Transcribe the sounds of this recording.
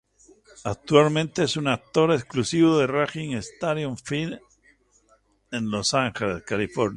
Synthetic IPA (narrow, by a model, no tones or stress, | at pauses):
ak̚t̪walmẽnt̪eesunak̚t̪o̞ɾesklusiβoðeraxiŋest̪aðjõɱfil | enlosaŋxeleðekalifo̞ɾna